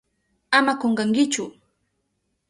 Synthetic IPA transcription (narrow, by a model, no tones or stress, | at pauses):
amakoɴɢɑŋkɪt͡ʃʊ